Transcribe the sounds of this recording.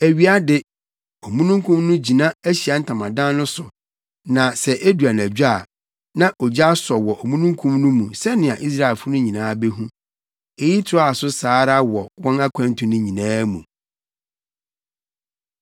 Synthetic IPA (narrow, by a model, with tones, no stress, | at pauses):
æ˨ɥi˨˦a˦dɪ˦ | ɔ˨mũ˦nũ˦ŋkʰũ˦mnʊ̃˦d͡ʑi˨nã˦æ˦ɕi˨a˨n̩˦tʰã˨mã˨dã˦nnʊ̃˦sʊ˨ | nã˨sɛ˨ʔe˦du˨a˨n˨æ˨d͡ʑᶣu˦a˦˨ | nã˦ʔɔ˨d͡ʑa˦sɔ˨wɔ˨ʔɔ˨mũ˦nũ˦ŋ˦kʰũ˦mnũ˦mũ˨sɛ˦nɪ̃˨a˨ʔi˦s̬ɾa˦˨ɛ˨lfʊ˦nʊ̃˦ɲĩ˨nãː˦be˦ɦũ˦ | ɛ˨ji˦tʰɪ˨ɾa˨sʊ˦saː˨˦ɾa˦wɔ˨wɔ̃˦na˦kʷʰã˦n˦tʰʊ̃˨nʊ̃˦ɲĩ˨nãː˦mũ˨